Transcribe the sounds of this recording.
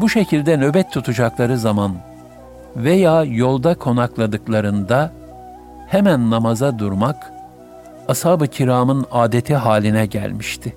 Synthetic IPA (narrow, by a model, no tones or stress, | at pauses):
buʃe̞cʰilʲd̪ɛnø̞bɛt̪ʰːut̪ʰud͡ʒaklˠaɾɯzaman | vejaːjo̞lˠd̪akʰo̞naklˠad̪ɯklˠaɾɯnd̪a | hemænːamazad̪uɾmak | ashaːbɯcʰiɾaːmɯnaːd̪e̞t̪ʰiɦaːlʲinɛɟæ̰lʲmiʃt̪ʰɪ